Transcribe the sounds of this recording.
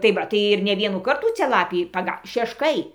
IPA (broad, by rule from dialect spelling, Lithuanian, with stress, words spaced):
tɐɪ ˈʋɐ tɐɪ ɪr nʲɛ ˈʋʲiɛnuː ˈkɐrtuː ˈt͡sʲɛ ˈlˠɑːpʲiː pɐˈɡɐ ʃʲɛʃˈkɐɪ